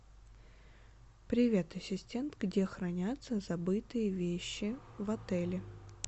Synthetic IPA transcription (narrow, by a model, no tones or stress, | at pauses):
pɾʲɪvʲet̪ɐsʲɪsʲtʲe̞nt̪ɡdʲe̞xɾɐnʲat̪səzɐbɨt̪ɨjəvʲeɕːɪvɐt̪ɛlʲɪ